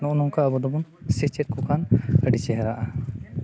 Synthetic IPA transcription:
nɔʔnɔŋkaəbɔd̪ɔbɔnsit͡ʃɛt̚kɔkʰanəɖit͡ʃɛɦɛɾaʔa

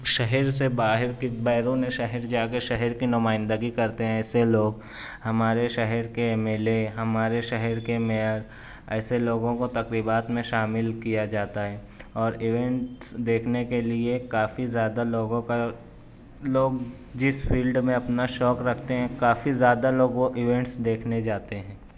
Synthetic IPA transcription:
ʃɛɦɛɾsebaːɦɪɾkibɛːɾũnẽʃɛɦəɾd͡ʒaːkeʃɛɦɛɾkinʊmaːɪ̃nd̪əɡikɐɾt̪eɦɛ̃ɛːseloːɡ | hɐmaːɾeʃɛɦɛɾkeɛmeːleɦɐmaːɾeʃɛɦɛɾkemeəɾ | ɛːseloːɡõkot̪ɐkɾiːbaːt̪mẽʃaːmɪlkijad͡ʒaːt̪aɦɛː | ɔːɾɪʋɛ̃ɳʈsd̪eːkʰnekeliekaːfizjaːd̪aloːɡõka | loːɡ | d͡ʒɪspʰiːlɖmẽɐpnaʃɔːkɾɐkʰt̪eɦɛ̃kaːfizjaːd̪aloːɡʋoʔɪʋɛ̃ɳʈsd̪eːkʰned͡ʒaːt̪eɦɛ̃ː

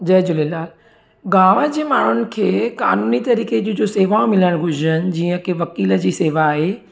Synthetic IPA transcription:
d͡ʑɐd͡ʑʊlɪlaːl | ɡaːʋad͡ʑeːmaːɳ̤ʊnɪ̆kʰeːka̰ːnuːnit̪ɐɾiːked͡ʑod͡ʑoseːʋaõmɪləɽ̃ɡʱʊd͡ʑʱɾən̆d͡ʑiːə̃keʋɐkiːləd͡ʑiːseːʋaːɦeː

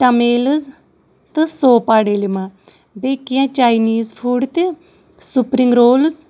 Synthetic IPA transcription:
ʈɐmeːlɨz | t̪ɨsoːpaːɽeːlimã | beːkijãːt͡ʃaːiniːzpʰuːɖt̪e | supɾiŋɡɾoːlz

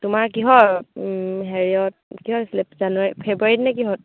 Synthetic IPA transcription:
tumaɹkiɦɔ | ɦeɹiɔt̚kiɦɔslɛpzanwaɹipʰebɹaɹitnɛkiɦɔt̚

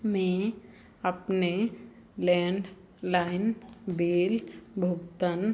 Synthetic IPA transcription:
mẽ | əpne | lɛ̃ːɳɖ | laːɪnbeːlbʱʊkt̪ən

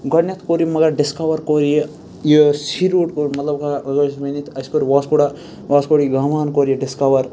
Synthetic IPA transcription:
ɡɐnɐt̪ʰkoɾimɐɡɐɾɖiskɐʋɐɾkoɾije | jisiɾuːʈkoɾimɐt̪lɐb̚kaɡɐɾsmɐnit̪ʰɐskoɾiʋaːskoɽa | waːskoɽiɡamaːnkoɾijeɖiskɐwɐɾ

